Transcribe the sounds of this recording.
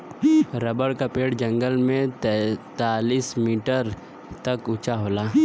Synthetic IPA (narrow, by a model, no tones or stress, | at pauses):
ɾəbəɽkapeːʈd͡ʒɐ̃ŋɡəlmẽt̪ːt̪aːliːsmiːʈəɾ | t̪ɐkʊt͡ʃaɦoːlaː